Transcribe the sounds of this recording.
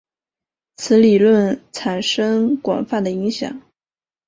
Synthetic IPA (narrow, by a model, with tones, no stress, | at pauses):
t͡sʰɹ̩˧˥li˨˩lwə˥˩nt͡sʰa˨˩nʂɤ˥ŋkwɑ̰˨˩ŋfa˥˩nd̪ə˩i˧˥ŋɕjɑ̰˨˩˦ŋ